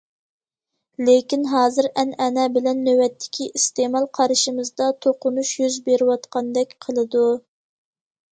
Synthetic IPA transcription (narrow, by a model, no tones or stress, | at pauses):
lekʲinɦɑːzɨɾɛnɛnɛbɪlɛnːøwɛt̪ʰːɪ̥kʲʰiʔist̪emɑlˠqʰɑɾɨʃimɨzd̪ɑt̪ʰoqʊnuʃjyzbeɾɪwɑt̪qʰɑnd̪ɛkʲqʰəlˠɨd̪u